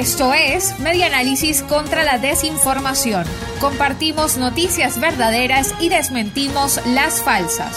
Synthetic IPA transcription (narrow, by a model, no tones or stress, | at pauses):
est̪o̞esme̞ðjanalisisko̞nt̪ɾalaðe̞siɱfo̞ɾmasjo̞ŋ | ko̞mpaɾt̪imo̞zno̞t̪isjazβe̞ɾðaðe̞ɾasiðe̞zmẽ̞nt̪imo̞slasfalsa̰s